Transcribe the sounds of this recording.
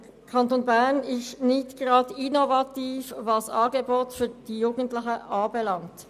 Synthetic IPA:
kʰɑntoːnbɛʁnɪstnɪçtɡ̥ʁɑːdinovɑtiːfvɑsɑɡeboːtfyːɐd̥iːjuːɡn̩tlɪçəʔɑːbelɑŋt

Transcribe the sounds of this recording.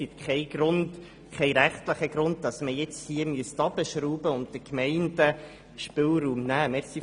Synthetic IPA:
ɪt̪kʰɛɪɡ̥ɾʊnd | kʰɛɪɾæχt̪ləχəɡ̥ɾʊnd̚dɑsməjɛt͡shiəmyəstɑbəʃɾuːbəʊnt̚dəkʰmɛɪndə | ʃpɪlɾuːmnæːmɛsi

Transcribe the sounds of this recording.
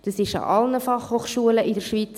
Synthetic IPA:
d̥ɑsɪʃɑ̰ʔɑlnəfɑχhoːχʃuələʔɪdəɾʃʋit͡s

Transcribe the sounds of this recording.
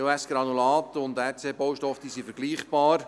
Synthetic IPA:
oɛsɡ̥ɾɑnulɑːt̪əʊnd̪ɛt͡seːbowʃtɔfd̥̪iːsifəɾɡliːχb̥ɑːɾ

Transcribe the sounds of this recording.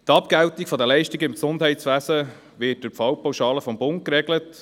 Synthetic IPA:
tɑpɡ̥æwtikfɔdəlɛɪʃtiɡəɪmksʊnd̥ɦɛɪtt͡sʋæːsə | ʋɪːt̚d̥ʊɾpfɑwpawʃɑːləfɔmbʊnt̚kɾɛɡlət

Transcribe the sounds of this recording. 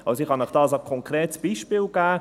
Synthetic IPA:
ʔɑlsoɪχhɑnəχd̥ɑːs̬akʰɔŋkɾeːtsb̥iːʃpiːlɡ̥æː

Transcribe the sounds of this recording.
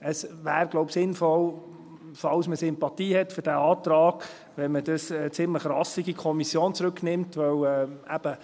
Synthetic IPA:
əsʋæːɾɡ̥lɔʊpsɪnfɔl | fɑwsməsɪmpɑt̪iːhɛtfʏɾd̥æɑːt̪ɾɑːɡ̥ | ʋɛnmədəsət͡sɪmləχrɑsiɡikʰɔmisjoːnt͡sɾøknɪmtvœwɛæb̥ə

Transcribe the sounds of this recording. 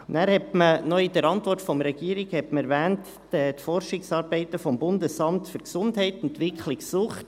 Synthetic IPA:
næːɾhɛtmənɔidəɾɑntʋɔrtfɔmɾɛɡ̥iːəɾiɡhɛtməɛɾvæːntː | ɛtfɔrʃɪksɑːɾbɛɪtəfɔmbʊndəsɑmtfyɾksʊndhɛɪtɛntʋɪkʰχlɪksʊχt

